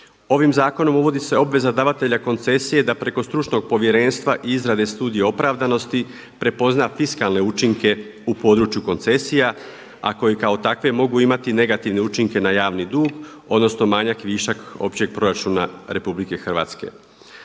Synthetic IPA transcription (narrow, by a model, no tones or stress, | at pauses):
o̞ʋimzaːko̞no̞muʋo̞d̪ise̞o̞bʋe̞zad̪aʋat̪e̞ʎako̞nt̪se̞sije̞d̪apɾe̞ko̞st̪ɾut͡ʃno̞ɡ̚po̞ʋje̞ɾe̞ːnst̪ʋaʔiizɾad̪e̞st̪uːd̪ije̞o̞pɾaʋd̪ano̞st̪i | pɾe̞po̞znafiskalˠne̞ut͡ʃiŋke̞ | upo̞d̪ɾut͡ʃjuko̞nt̪se̞sija | a̰ko̞jikao̞t̪akʋe̞mo̞ɡuimat̪ine̞ɡat̪iʋne̞ut͡ʃiŋke̞najaːʋnid̪uːɡ | o̞d̪no̞sno̞maɲakʋiːʃako̞̰pt͡ɕe̞ɡ̚pɾo̞ɾat͡ʃunaɾe̞publike̞xr̩ʋa̰ːt̪ske̞̰